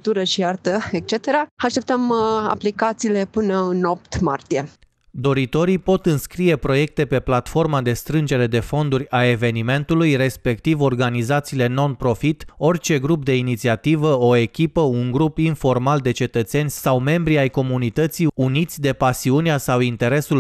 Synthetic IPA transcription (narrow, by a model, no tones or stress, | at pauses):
t̪uɾəʃiart̪əek̚t͡ʃet̪eɾaaʃt̪e̞p̚t̪əma̰plikat̪siːle̞pɨnəɨno̞pt̪ma̰rt̪ije̞ | d̪o̞ɾit̪o̞ɾipo̞t̪ɨnskɾije̞pɾo̞je̞k̚t̪e̞pe̞plat̪fo̞rmad̪e̞st̪ɾɨnd͡ʒe̞ɾe̞d̪e̞fo̞nd̪uɾʲae̞ve̞nime̞nt̪ulujre̞spe̞kt̪ivo̞rɡanizat̪siːle̞no̞npɾo̞fit̪o̞rt͡ʃe̞ɡɾup̚d̪e̞init̪siat̪ivəo̞e̞kʲipəuŋɡɾupinfo̞rmald̪e̞t͡ʃe̞t̪ət̪se̞nʲsawme̞mbɾiajko̞munit̪ət̪siunit̪sʲd̪e̞pasiuneasawint̪e̞ɾe̞sul